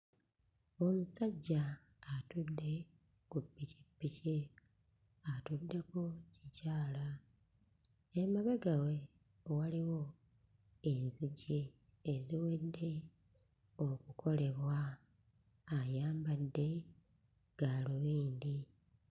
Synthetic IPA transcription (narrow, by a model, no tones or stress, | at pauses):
o̞musaɟːaː | tudːe̞ | kupːici̥bːice | atudːe̞kocicaːla | emaβeɡawe̞ | waliwo̞ | enziɟeː | ziwe̞dːe̞ | okukʰo̞le̞βwa | ajaːmbadːe̞ | ɡ̥aːluβiːndi